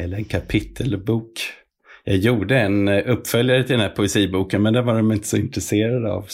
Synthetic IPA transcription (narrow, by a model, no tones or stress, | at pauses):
ɛlːəɾɛnkʰapʰɪt̪ʰːəlbuːk | jɑːɡjuːɖəɛnɵpːfœljaɾət̪ɪld̪ɛnæɾpʰʊɛsiːbuːkənmɛnd̪ævaɾdɔmɪnt̪ə̥sɔɪnt̪ɾɛseːɾad̪əa̰v